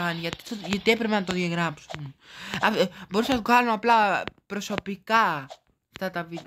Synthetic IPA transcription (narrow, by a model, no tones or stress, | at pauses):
ɐniʝɐt̪i̥ʝɐt̪ie̞pɾe̞penɐt̪o̞ðʝɐɣɾɐpsunɐbo̞ɾusenɐt̪oɣɐnuɐplɐpɾo̞so̞pikɐ | ft̪ɐt̪ɐvit̪